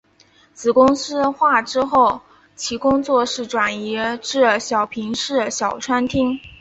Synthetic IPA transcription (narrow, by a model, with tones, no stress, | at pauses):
t͡sɹ̩˨˩kʊ˥ŋsɹ̩˥xwa˥˩ʈ͡ʂɻ̩˥xo˥˩ʊ | t͡ɕʰi˧˥kʊ˥ŋt͡swɔ˥˧ʂɻ̩˥˩ʈ͡ʂwa˨˩ni˧˥ʈ͡ʂɻ̩˥˩ɕjɑ˨˩ʊpʰi˧˥ŋʂɻ̩˥˩ɕjɑ˨˩ʊʈ͡ʂʰwa˥nt̪ʰi˥ŋ